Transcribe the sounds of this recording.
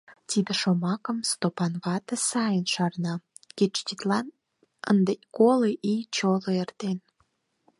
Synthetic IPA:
t̪id̪əʃomɑkə̆mst̪opɑnβɑt̪əsɑjənʃɑrnɑ | ket͡ʃt̪it̪lɑn | ə̰nd̪ekoleʔit͡ɕoloert̪en

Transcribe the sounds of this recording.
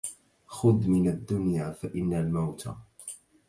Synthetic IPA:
xʊd̪mɪnad̪ːʊnjaːfaʔɪnːalmawt̪ʰa̰

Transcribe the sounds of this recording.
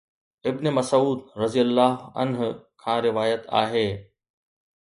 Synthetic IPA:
ɪbnemɐsuːd̪̚ɾɐzijəlːaːɦɐ̰nɦʊkʰãːɾɪʋaːjət̪a̰ːɦeː

